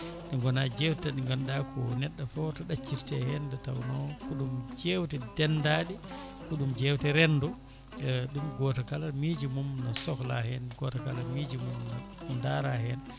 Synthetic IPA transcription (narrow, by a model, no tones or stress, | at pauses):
ɗiŋɡɔnad͡ʒewttaɗiŋɡamɗakʰɔnɛɗːafɔtɔɗat͡ʃːiɾtɛhɛndɛtawnɔkuɗumd͡ʒewtɛdɛndaɗi | kuɗumd͡ʒewtɛɾɛndɔ | ɗumɡɔːtakalamid͡ʒimumnasɔkla̰hɛnɡɔtakalamid͡ʒimumna | ndaɾahɛn